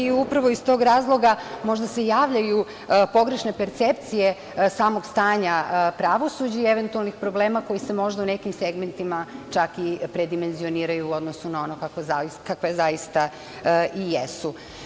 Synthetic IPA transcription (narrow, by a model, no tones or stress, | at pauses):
iupɾaʋo̞ist̪o̞ɡɾaːzlˠo̞ɡamo̞ʒd̪ase̞jaːʋʎaju | po̞ɡɾe̞ʃne̞pe̞ɾt̪sept̪sije̞ | saːmo̞ɡst̪aːɲapɾaʋo̞sud͡ʑaieʋe̞nt̪ualˠnixpɾo̞bleːmako̞jise̞mo̞ʒd̪aune̞kimseɡment̪imat͡ʃakipɾe̞d̪ime̞nzio̞niːɾajuːo̞d̪no̞sunao̞nokakakakʋezaist̪a | ijesu